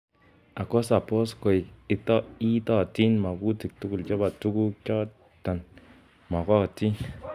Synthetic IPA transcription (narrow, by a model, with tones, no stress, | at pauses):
a˨kɔ˦sa˨pɔ˦sko˨i˨i˨tɔ˦i˦tɔ˦˨ti˦nma˨ku˦ti˨k̚tu˦ku˨lt͡ʃɔ˦ba˨tu˦ku˦kɔ˦ | ta˨n | ma˨kɔ˦˨ti˦n